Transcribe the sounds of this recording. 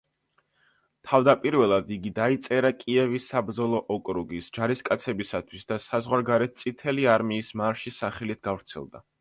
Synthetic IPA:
t̪ʰavd̪apʼiɾvɛlˠad̪iɡid̪ait̪sʼɛɾakʼiɛvisːabɾd̪zɔlˠɔʔɔkʼɾuɡisd͡ʒaɾiskʼat̪sʰɛbisat̪ʰwisd̪asazʁwaɾɡaɾɛt̪̚t̪sʼit̪ʰɛliaɾmiːsmaɾʃisaχɛlit̪ʰɡavɾt̪sʰɛ̰lˠd̪a̰

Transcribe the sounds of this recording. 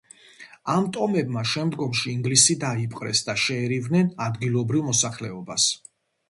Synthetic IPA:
amt̪ʼɔmɛbmaʃɛmd̪ɡɔmʃiːŋɡlisid̪aipʼqʼɾɛ̰sd̪aʃɛːɾivnɛnad̪ɡilˠɔbɾivmɔsaχlɛɔbas

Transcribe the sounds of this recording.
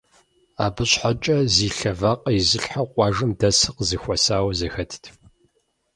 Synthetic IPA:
a̰ːbɨɕħat͡ʃʼɐziːɬɐvaqʼɐizɨɬħaqʷʼɑːʒɨmdɐsɨqzɨxʷɐsaːwɐzɐxɐtʰtʰ

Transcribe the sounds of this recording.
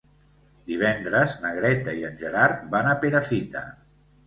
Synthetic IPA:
d̪iβ̞ɛnd̪ɾəznəɣɾɛt̪aiənʲʒəɾaɾt̪̚banapeɾafit̪ə̰

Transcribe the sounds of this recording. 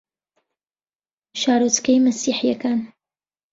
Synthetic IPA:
ʃaːɾut͡skɐjmɐsiːħijɐkaːn

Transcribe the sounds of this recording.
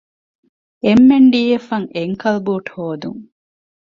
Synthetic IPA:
emːeɳɖiːjefɐŋeŋkɐlbuːʈhoːd̪ṵŋ

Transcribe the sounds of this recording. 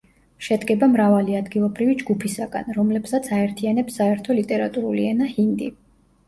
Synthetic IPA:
ʃɛd̪ɡɛbamɾavaliad̪ɡilˠɔbɾivid͡ʒɡupʰisaɡa̰nɾɔmlɛb̥sat̪sʰaɛɾt̪ʰianɛpsːaɛɾt̪ʰɔlit̪ʼɛɾat̪ʼuɾuliɛnahind̪i

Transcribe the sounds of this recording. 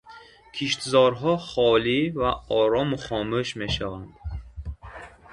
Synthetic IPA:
kʰiʃt̪zɔɾɦɔχɔlivaɔɾɔmuχɔmuʃme̞ʃavand̪̥

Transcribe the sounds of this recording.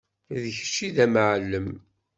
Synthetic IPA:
ðəçə̥t͡ʃːiðæmʕəlːəm

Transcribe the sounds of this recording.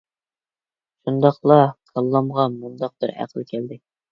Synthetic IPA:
ʃund̪ɑqlˠɑqʰɑlˠːɑmʁɑmŏnd̪ɑq̚b̪ɘɾæ̰qə̆lkæld̪ɘ

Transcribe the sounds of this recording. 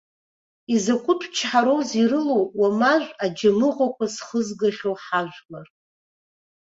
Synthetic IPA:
izakʷʰʊtʰt͡ʃʰħaɾowzirɨlowwamaʒʷad͡ʒamɨʁʷakʷʰasχəzɡaχʲowħaʒᶣʷlar

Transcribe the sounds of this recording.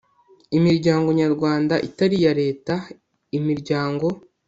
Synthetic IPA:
imiɾɟaːŋɡo̞ɲaɾɡwaːndaʔitaɾijaɾe̞ːta | imiɾɟaːŋɡo̞

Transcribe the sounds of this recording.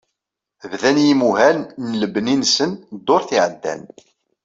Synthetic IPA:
vðænjimuɦænnləbninsənd̪ːoɾθiʕəd̪ːæ̰n

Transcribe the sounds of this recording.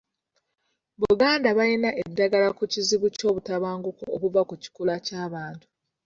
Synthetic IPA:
βuɡaːndaβajinaʔedːaɡalakuciziβuco̞ːβutaβaːŋɡukookuvakuci̥kulacaːβaːntu̥

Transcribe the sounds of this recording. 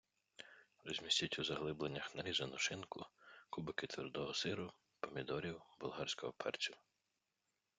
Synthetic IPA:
rɔzʲmʲisʲtʲitʲuzɐɦlˠɪblenʲːɐxnɐɾʲizɐnʊʃɪnkʊkubɪkɪt̪ʋʲɪrd̪ɔɦɔsɪɾʊ | pɔmʲid̪ɔɾʲiwbʊlˠɦɑrʲsʲkɔɦɔpʰɛ̰rt͡sʲiw

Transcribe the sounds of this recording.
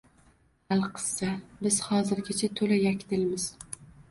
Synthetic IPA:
alˠqʰɨ̥sːabɪz̥hɒzɪɾɡʲat͡ʃʰat̪ʰolajakʲt̪ɪlmɪz̥

